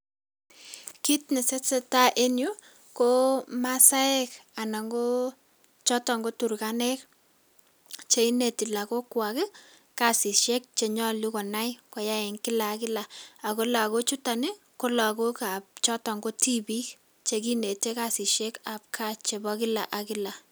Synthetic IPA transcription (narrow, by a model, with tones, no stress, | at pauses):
ki˦tnɛ˨sɛ˦sɛ˦ta˦ʔe˦njo˦ | ko˦ma˦sa˦ɛ˦ka˨na˨ŋɡo˦ | t͡ʃɔ˦tɔ˨ŋɡo˦tu˨ɾkanɛ˦k̚ | t͡ʃe˦i˦ne˨ti˨la˨ko˦kwa˨kɛ˦ | ka˨si˨ʃɛ˦k̚t͡ʃe˨ɲɔ˦li˦kɔ˨na˦jkɔ˨˦ja˦ɪ˨ŋkɪ˦laː˨˦kɪ˦la˨a˨ko˦la˨ko˦t͡ʃu˦ta˨ne˦ | ko˦la˨ko˦ka˨p̚t͡ʃɔ˦tɔ˨ŋɡo˦ti˦bi˦k̚ | t͡ʃe˨ki˦ne˨te˦ka˨si˨ʃɛ˦ka˨p̚kʰa˦t͡ʃe˨bɔ˦kɪ˦la̰˨ʔa˨kɪ˦la˨